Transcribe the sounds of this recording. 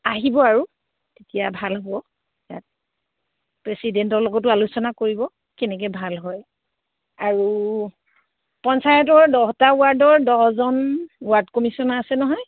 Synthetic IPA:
aɦibɔaɹu | tetijabʱalɦʊɔ | ja̰t̚ | pɹesidɛntɔɹlɔɡɔtʊalusɔnakoɹibɔ | kɛnɛk̬ɛbʱalɦɔj | aɹu | pɔnsajɔtɔɹdɔɦɔtaʊaɹdɔɹdɔzɔnwaɹdkomisɔnasɛnɔɦɔj

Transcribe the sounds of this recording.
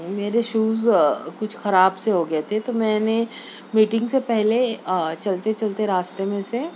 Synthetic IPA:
meːɾeʃuːzkʊt͡ʃʰxɐɾaːbseɦoɡɐet̪ʰet̪omɛ̃ːne | miːʈɪ̃ŋɡsepɛɦlet͡ʃɐlt̪et͡ʃɐlt̪eɾaːst̪emẽse

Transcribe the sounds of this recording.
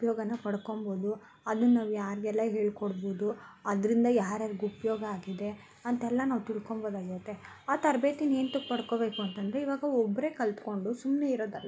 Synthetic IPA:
upjɔːɡɐnɐpɐɽko̞mboːd̪u | ɐd̪unnaːʋujaːɾiɡɛlːɐɦe̞ːɭkoɽboːd̪uɐd̪ɾind̪ɐjaːɾɐɾiɡuupɐjɔːɡɐaːɡid̪e̞ | ɐnt̪ɛlːɐnaːʋut̪iɭkomboːd̪aːɡiɾot̪ːe̞ | aːt̪ɐɾbe̞ːt̪ine̞ːnt̪okpɐɽko̞ːbe̞ːkuɐnt̪ɐnd̪ɾe̞iʋaːɡɐɔbːɾe̞ːkɐlt̪ko̞ɳɖusumne̞iɾoːd̪ɐlːa

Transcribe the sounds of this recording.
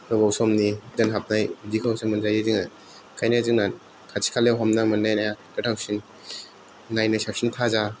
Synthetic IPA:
nɯbɔwsɔmnidanɦap̚najdikʰawsʰamɯnzajɯzɯŋna | kʰajnazɯŋnan | kʰat͡ʃʰi̥kʰalewɦamnamɯnːajnajakɯtʰawsin | ŋajnasap̚sintʰaza

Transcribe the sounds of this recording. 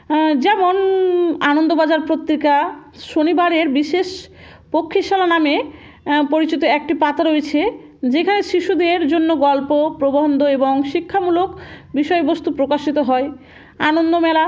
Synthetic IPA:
d͡ʑɛmonanond̪obad͡ʑaɾpɾot̪ːɾikaʃonibaɾeɾbiʃeʃ | pokʰːiʃalaname | poɾit͡ɕit̪oɛk̚ʈipat̪aɾoet͡ɕʰe | d͡ʑekʰaneʃiʃud̪eɾd͡ʑonːoɡɔlpopɾoboɦond̪ʱoeboŋʃikʰːamulokbiʃɔebost̪upɾokaʃit̪oɦɔe | anond̪omɛla

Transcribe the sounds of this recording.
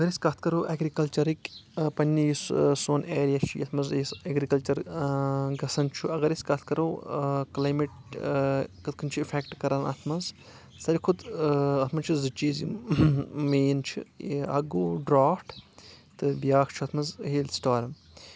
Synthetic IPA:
ɐɡɐɾiskɐt̪ʰkɐɾoːʔeːɡɾikɐlt͡ʃɐɾikʲpɐnʲːijissoːneːɾjat͡ʃʰijɐt̪ʰmɐziseɡɾikɐlt͡ʃɐɾ | ɡɐsɐnt͡ʃʰuɐɡɐɾiskɐt̪ʰkɐɾoːklaːjmiʈ | kɨt̪̚ʰkʰɨnʲt͡ʃʰuifʰekʈkɐɾɐnɐ̰t̪ʰmɐz | sɐɾʲikʰud̪ɐt̪ʰmɐzt͡ʃʰizɨt͡ʃiːzḭ | meːnt͡ʃʰḭɐɡoːɖɾaːfʈt̪ɨbijaːkʰt͡ʃʰuɐt̪ʰmɐzheːlsʈaːɾɐm

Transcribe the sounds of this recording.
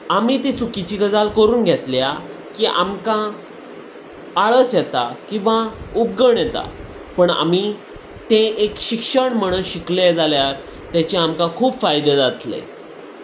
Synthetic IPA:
amit̪it͡sukit͡ɕiɡəd͡zalkəɾuːnɡʱɛt̪lja | kiʔamkã | aɭəsjɛt̪a̰kĩw̃ʋaup̚ɡəɳjɛt̪a̰ | pəɳa̰mi | t̪ẽʔekɕikʂəɳm̤əɽ̃əɕikled͡zaljaɾ | t̪jat͡ɕeamkãkʰuːpfajd̪ed͡zat̪lḛ

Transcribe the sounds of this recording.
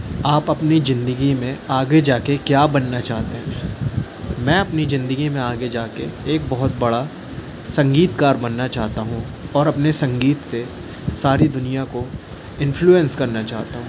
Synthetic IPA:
aːpɐpnizɪ̃nd̪əɡimẽaːɡed͡ʒaːkekjaːbɐnːat͡ʃaːɦt̪eɦɛ̃ː | mɛ̃ːɐpnizɪ̃nd̪əɡimẽaːɡed͡ʒaːkeeːk̚bɐɦʊt̪̚bɐɽa | sɐ̃ŋɡiːt̪kaːɾbɐnːat͡ʃaːɦt̪aɦũ | ɔːɾɐpnesɐ̃ŋɡiːt̪se | saːɾid̪ʊnijako | ɪ̃nfluːɛ̃nskɐɾnat͡ʃaːɦt̪aɦũː

